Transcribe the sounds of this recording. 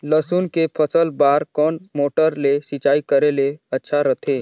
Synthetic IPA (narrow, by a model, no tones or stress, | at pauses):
ləsuːnkepʰəsəlbaːɾkɔːnmoːʈəɾlesɪt͡ʃaːikəɾeleɐtːʃʰaɾət̪ʰeː